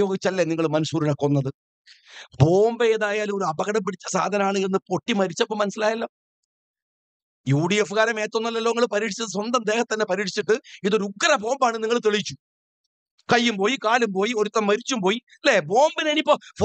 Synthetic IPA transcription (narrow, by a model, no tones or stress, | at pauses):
o̞ːɡit͡ɕːɐlːeniŋːɐɭmɐnusuːɾiɽɐkːonːɐðɨ | bo̞ːmbeeðaːjaːlo̞ɾuɐbɐɣɐɽɐmpiɽit͡ɕːɐsa̰ːd̪ʱɐnɐmaːɳɨenːɨpo̞ʈːimɐɾit͡ɕːɐpːoːmɐnɐsilaːjɐlːɐ | juːɽijefɨɣaːɾɐme̞ːt̪ːonːɐlːɐlːoːŋːɐɭɨpɐɾiːʈʰit͡ɕːɐðɨs̬wɐnd̪ɐmd̪eːhɐt̪t̪ːɐnːe̞pɐɾiːʈʰi̥t͡ɕːiʈːɨiðo̞ɾuuɡɐrɐbo̞ːmbaːɳɨniŋːɐɭt̪eɭit͡ɕːu̥ | kɐjːumpo̞ːjikaːlumpo̞ːjio̞ɾut̪ːɐmːɐɾit͡ɕːumpo̞ːji | leboːmbineːnipːof